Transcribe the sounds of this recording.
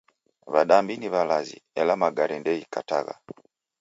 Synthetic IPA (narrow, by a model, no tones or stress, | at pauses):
βaɗambiniβalazḭɛlamaɡaɾɛndɛjikataɣa̰